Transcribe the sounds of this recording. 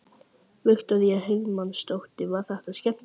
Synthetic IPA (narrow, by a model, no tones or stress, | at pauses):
vʏxt̪aðjɛhevmanst̪owht̪ɪvḁθɛht̪aðscɛm̥